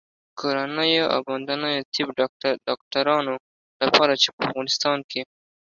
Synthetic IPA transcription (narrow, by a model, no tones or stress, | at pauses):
kʰoɾanəjoa̰band̪anəjot̪ʰɪbɖɖɑk̚ʈaɾɑno | lapɑɾat͡ʃepəafɣɑnɪst̪ɑnkʰe